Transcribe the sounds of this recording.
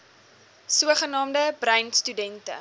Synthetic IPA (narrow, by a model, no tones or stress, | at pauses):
suəχənɑːmdəbrœɥnstydɛntə̰